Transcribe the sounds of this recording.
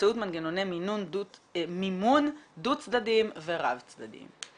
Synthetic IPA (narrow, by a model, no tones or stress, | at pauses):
ɛut̪manɡenonɛminunumimundut͡sdadimveɾa̰vt͡sd̪ad̪ḭm